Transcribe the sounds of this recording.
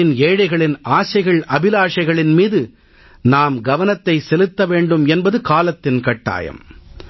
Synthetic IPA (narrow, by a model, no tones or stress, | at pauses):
ɪneːɻɐɪɣɐɭɪnaːsɐɪɣɐɭɐbɪlaːʂɐɪɣɐɭɪnmiːðɯ | naːmɡɐʋɐnɐt̪ːɐɪsɛlɯt̪ːɐʋeːɳɖɯmɛnbɐðɯkaːlɐt̪ːɪnkɐʈːa̰ːjɐ̰m